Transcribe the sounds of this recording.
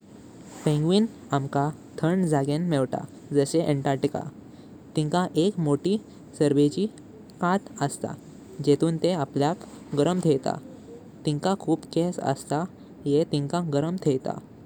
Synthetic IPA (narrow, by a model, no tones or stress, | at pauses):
pẽŋɡʋiːn | amka | t̪ʰəɳd͡zaɡenmɛʋʈa̰ | d͡zəseʔeɳʈaɾʈika̰ | t̪ĩŋkaʔekmoʈiː | səɾʋet͡ɕiː | kat̪əst̪a̰ | d͡ʑet̪uːnt̪eapljak | ɡəɾəmt̪ʰejt̪a̰ | t̪iŋkakʰuːpkesə̰st̪a | jet̪ĩŋkãɡəɾəmt̪ʰejt̪a̰